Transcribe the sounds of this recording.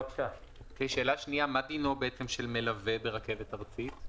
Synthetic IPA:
ʃa | keʃe̞ːlaʃniamad̪ino̞beet͡semʃe̞lme̞lavebe̞ʁake̞vet̪aʁt͡sit̪

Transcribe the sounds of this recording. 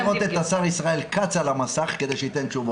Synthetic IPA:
ʁot̪et̪asaʁisʁae̞lkat͡salamasaχked̪e̞jʃeit̪e̞nt͡ʃuvo

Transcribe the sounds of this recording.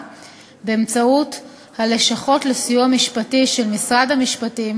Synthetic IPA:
beːmt͡saut | hale̞ʃaχo̞tlesijuamiʃpatiʃe̞lmisʁadhamiʃpatim

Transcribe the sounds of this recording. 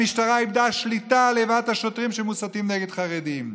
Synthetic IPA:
iʃtaʁaibd̪aʃlitalevathaʃotʁimʃemusatimneɡed̪χaʁedim

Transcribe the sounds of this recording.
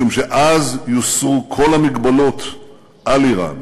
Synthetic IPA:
umʃeʔazjusʁukʰo̞lamiɡbalo̞t̪ | ʔaliʁa̰n

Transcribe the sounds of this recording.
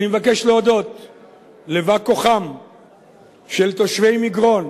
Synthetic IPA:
nimevake̞ʃleod̪o̞t̪ | levako̞χam | ʃe̞lt̪o̞ʃve̞jmiɡʁo̞n

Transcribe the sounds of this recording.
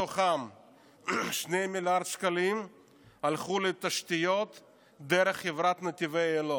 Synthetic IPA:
oχam | ʃnejmiljaɾd̪ʃkalim | alχulet̪aʃt̪ijot̪ | d̪eɾeχːevɾat̪net̪ivejelo

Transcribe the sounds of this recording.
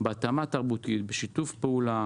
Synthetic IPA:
beat̪amat̪aʁbut̪it̪beʃit̪ufpeula

